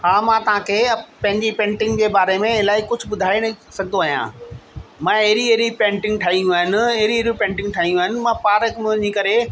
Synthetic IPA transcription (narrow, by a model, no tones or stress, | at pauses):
ɦãːmãːt̪ɐʋ̤ãkʰeːpɐ̃ɦɪ̃ɲd͡ʑipẽːɳʈɪ̃ŋɡd͡ʑeːbaːɾemẽɪlaːikʊd͡ʑʱʊ̆bʊd̪ʱaːenɐsɐɡʱnd̪oaːɦijã̰ː | mãːɐɦɪɾieɦɾipẽːɳʈɪ̃ŋɡ̚ʈʰaːijũaːɦɪnɪ̆ɐɦɾieɾũpẽːɳʈɪ̃ŋɡʈʰaːɦĩjũaːɦɪnɪ̆mãːpaːɾkmʊʊɲikɐɾe